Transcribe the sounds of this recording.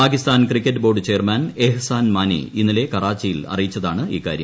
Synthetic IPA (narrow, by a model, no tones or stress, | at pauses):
paːkist̪aːnkrikʲːɐtːɨbo̞ːrɖɨt͡ɕejɐrmanehɐsaːnmaːnḭinːile̞kɐraːt͡ɕːɐjilɐ̰rijit͡ɕːɐðaːɳɨḭːka̰ːɾjɐ̰m